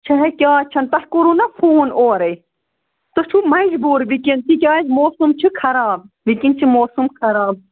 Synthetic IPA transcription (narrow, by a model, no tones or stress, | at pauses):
t͡ʃʰɐɦɐkʲaːt͡ʃʰɐnt̪ɐhkuɾunɐfʰuːnoːɾɐj | t̪ot͡ʃʰumɐd͡ʒbuːɾbikint̪ʰik̬ʲaːd͡ʒmoːsumt͡ʃʰikʰɐɾaːb̚ | ʋikint͡ʃʰimoːsumkʰɐɾaːb̚